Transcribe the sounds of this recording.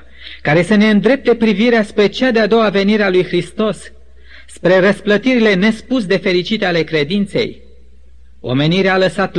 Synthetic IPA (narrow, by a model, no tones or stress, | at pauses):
kaɾesəne̞ɨnd̪ɾe̞p̚t̪e̞pɾiviɾeaspɾe̞t͡ʃad̪ead̪o̞wave̞niɾealujxɾist̪o̞sː | pɾe̞rəsplət̪iɾile̞ne̞spusd̪e̞fe̞ɾit͡ʃit̪eale̞kɾe̞d̪int̪se̞̰j | o̞̰me̞niɾealəsat̪